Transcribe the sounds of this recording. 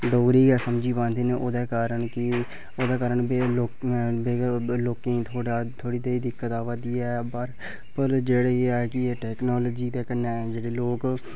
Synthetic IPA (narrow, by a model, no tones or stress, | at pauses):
ɖoːɡɾiːɡɛːsəmd͡ʒiːbãːnd̪eːneːʔoːd̪ɛːkaːɾəɳkɪ | oːd̪aːkaːɾəɳbeːloːkbeːloːkẽːĩːt̪ʰoːɽaːt̪ʰoːɽiːd̪eːiːd̪ɪkːət̪aːʋad̪iːɛːbaɾ | pəɾd͡ʒeːɽeːeːaːɛkɪeːʈɛːknɔːlːd͡ʒiːd̪eːkənːeːd͡ʒeːɽeːloːk